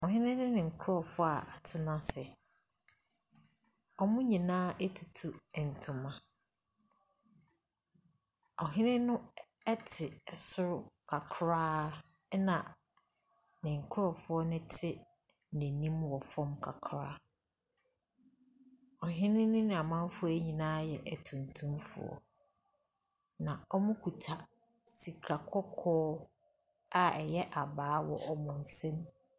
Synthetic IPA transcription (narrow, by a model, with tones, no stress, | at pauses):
ɔ˨ɦɪ̃˦nɪ̃˦nɪ̃˦nɪ̃˨ŋ̩˨kʰʊ˦ɾɔ˨fʊ˦a˨a˨tʰɪ˦nã˦sɛ˨ | ɔ˨mʊ̃˦ɲĩ˨nãː˦ʔe˦tʰi˨tʰu˨ɛ˨n̩˨tʰʊ̃˨mã˨ | ɔ˨ɦɪ̃˦nɪ̃˦nʊ̃˦ | ɛ˦tʰɪ˨sʊ˦ɾʊ˦kʰa˨kʰɾaː˦ | nã˨ | nɪ̃˨ŋ̩˨kʰʊ˦ɾɔ˨fʊ˦ɔ˦nʊ̃˦tʰɪ˦ | nɛ̃˨nĩ˦mwɔ˨fɔ̃˦mkʰa̰˨kʰɾa˦ | ɔ˨ɦɪ̃˦nɪ̃˦nʊ̃˦nɪ̃˦˨a˨mã˦m˦fʊ˦ɔ˦æ˦ɲĩ˨nãː˦jɛ˨ʔæ˨tʰũ˨ntʰũ˦mfʊ̰˨ɔ̰˨ | nã˨ɔ˦mʊ̃˦kʰu˨tʰa˨ | si˨kʰa˨kʰɔ˦kʰɔː˦ | a˨ɛ˨jɛ˦ʔa˨baː˨˦wɔ˦ʔɔ˦mʊ̃˨n̩˨sɛ̃˦m